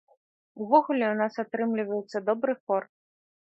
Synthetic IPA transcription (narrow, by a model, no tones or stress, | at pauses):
uvɔɣulʲɛwnasat̪ɾɨmlʲivɐjɛt̪sːɐd̪ɔbɾɨfɔr